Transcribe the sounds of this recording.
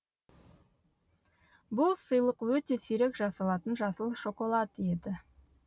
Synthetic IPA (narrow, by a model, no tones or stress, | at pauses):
bʊlˠsəjlˠəqwɵt̪e̞sijɾekʒɑsɑlˠɑt̪ənʒɑsəlˠʃo̞kolˠɑt̪ed̪ɪ